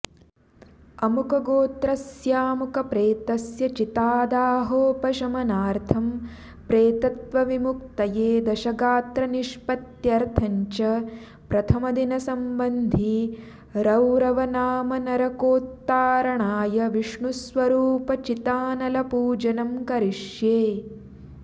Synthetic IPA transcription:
ɐmukɐɡoːt̪ɾɐsjaːmukɐpɾeːt̪ɐsjɐt͡ʃit̪aːd̪aːɦoːpɐʃɐmɐnaːɾt̪ʰɐm | pɾeːt̪ɐt̪ʋɐʋimukt̪ɐjeːd̪ɐʃɐɡaːt̪ɾɐniʃpɐt̪jɐɾt̪ʰɐɲt͡ʃɐ | pɾɐt̪ʰɐmɐd̪inɐsɐmbɐnd̪ʱi | ɾɐwɾɐʋɐnaːmɐnɐɾɐkoːt̪ːaːɾɐɳaːjɐʋiʂɳusʋɐɾuːpɐt͡ʃit̪aːnɐlɐpuːd͡ʒɐnɐmkɐɾiʂjeː

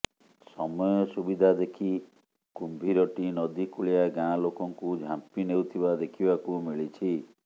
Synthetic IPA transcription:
sɔmɔjɔsubid̪ʱad̪ekʰi | kumbʱiɾɔʈinɔd̪ikuɭijaɡãlokɔŋkud͡ʒʱampinewt̪ʰibad̪ekʰibakumiɭit͡ʃʰi

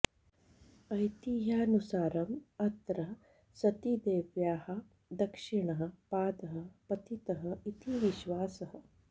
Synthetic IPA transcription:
ɐjt̪iɦaːnusaːɾɐmɐt̪ɾɐ | sɐt̪id̪eːʋjaːhɐ̆ | d̪ɐkʂiɳɐɦɐ̆paːd̪ɐɦɐ̆pɐt̪it̪ɐɦɐit̪ʰiʋiʃʋaːsɐɦɐ

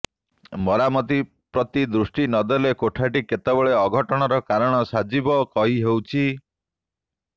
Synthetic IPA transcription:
mɔɾamɔt̪i | pɾɔt̪id̪ɾusʈinɔd̪elekoʈʰaʈiket̪ebeɭeɔɡʱɔʈɔɽ̃ɔɾɔkaɾɔɽ̃ɔsad͡ʒibɔkɔɦiɦewt͡ʃʰi

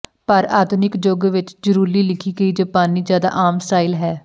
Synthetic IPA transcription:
pəɾaːd̪ʊnɪkd͡ʒʊɡʋɪt͡ʃd͡ʒəɾuːliːlɪkʰiːɡəiːd͡ʒəpaːniːd͡ʒjaːd̪a̰ːʔaːmsaːɪlɦɛː

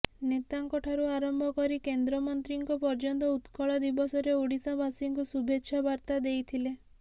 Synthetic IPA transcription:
net̪aŋkɔʈʰaɾuaɾɔmbʱɔkɔɾikend̪ɾɔmɔnt̪ɾiŋkɔpɔɾd͡ʒɔnt̪ɔut̪kɔɭɔd̪ibɔsɔɾeoɽisabasiŋkusubʱetːʃʰabaɾt̪ad̪ejt̪ʰile

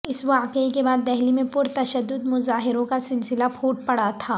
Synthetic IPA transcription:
ɪsʋaːqeikebaːd̪ːɛɦlimẽpʊɾt̪ɐʃəd̪ːʊd̪mʊzaːɦɪɾõkasɪlsɪlapʰoːʈ̚pɐɽat̪ʰaː

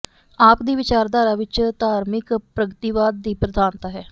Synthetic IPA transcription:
aːpd̪iːʋɪt͡ʃaːɾd̪aːɾaːʋɪt͡ʃd̪aːɾmɪkpɾəɡət̪iːʋaːd̪̚ːiːpɾəd̪aːnt̪aːɦɛː

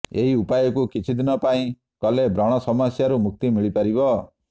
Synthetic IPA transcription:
eɦiupajɔkukit͡ʃʰud̪inɔpaĩ | kɔlebɾɔɽ̃ɔsɔmɔsjaɾumuk̚t̪imiɭipaɾibɔ

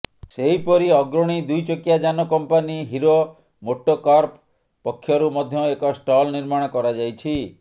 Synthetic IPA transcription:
seɦipɔɾiɔɡɾoɽ̃id̪ujt͡ʃokijad͡ʒanɔkɔmpaniɦiɾo | moʈokaɾp | pɔkʰːjɔɾumɔd̪ʱjɔekɔsʈɔlniɾmaɽ̃ɔkɔɾad͡ʒajt͡ʃʰi

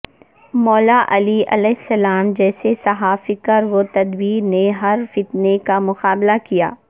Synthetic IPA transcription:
mɔːlaʔɐliʔɐ̰lɛːsɐlaːmd͡ʒɛːsesɐɦaːfɪkəɾʋot̪ɐd̪biːɾneɦɐɾfɪt̪nekamʊqaːblakija̰ː

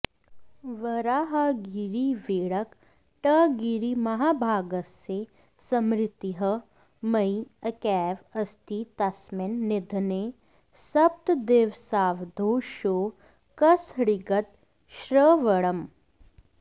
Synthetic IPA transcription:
ʋɐɾaːɦɐɡiɾiʋeːɽək | ʈəɡiɾimɐɦaːbʱaːɡəsːe | sɐmɾɪt̪ːiɦɐ | mɐiɐkɛːʋɐst̪it̪asmɪnːɪd̪ʱneː | sɐp̚t̪d̪eːʋsaːʋd̪ʱoːʃoː | kɐsɽiɡət̪ | ʃɾəʋɐɽəm

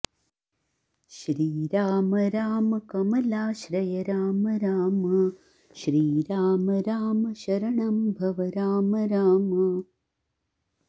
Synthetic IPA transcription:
ʃɾiːɾaːmɐɾaːmɐkɐmɐlaːʃɾɐjɐɾaːmɐɾaːmɐ | ʃɾiːɾaːmɐɾaːmɐʃɐɾɐɳɐmbʱɐʋɐɾaːmɐɾaːmɐ

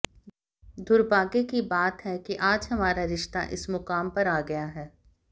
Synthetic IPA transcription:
d̪ʊɾbaːɡekibaːt̪ɦɛkiʔaːd͡ʒɦɐmaːɾaɾɪʃt̪a̰ʔɪ̰smʊkaːmpɐɾaːɡɐjaɦɛː

